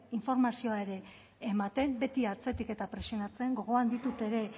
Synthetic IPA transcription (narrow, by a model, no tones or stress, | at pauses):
iɱfo̞ɾmasio̞ae̞ɾe̞ː | mat̪e̞mbe̞t̪iaɾt͡se̞t̪ike̞t̪apɾe̞sionat͡se̞ŋɡo̞ɣ̞o̞and̪it̪ut̪e̞ɾe̞